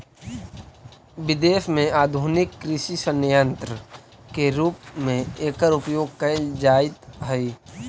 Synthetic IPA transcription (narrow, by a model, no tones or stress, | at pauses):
bɪd̪eːʃmẽaːd̪ʱunɪkːɾɪʃisənjənt̪ɾə | keɾuːp̚mẽeːkəɾʊpjoːɡ̚kəɪld͡ʒaːɪt̪ɦəi